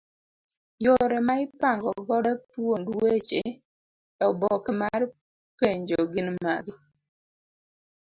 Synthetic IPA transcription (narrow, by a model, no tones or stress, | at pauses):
joɾɛmaɪpaŋɡɔɡɔdatwondwet͡ʃe | ɔbɔkɛmar | peɲd͡ʒoɡɪnma̰ɡi